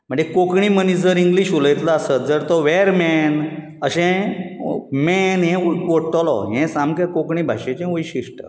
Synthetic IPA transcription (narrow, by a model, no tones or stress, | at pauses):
m̤əɳd͡zekokɳimənid͡zəɾiŋɡliɕuləjt̪laːsət̪̚d͡zəɾt̪ɔʋeɾmɛn | əɕɛ̃ | mɛnɦɛ̃ʋoʈɔlɔ̰ɦɛ̃samkəkokɳiːbʱa̰ɕẽt͡ɕɛ̃ʋəjɕiʂʈə̰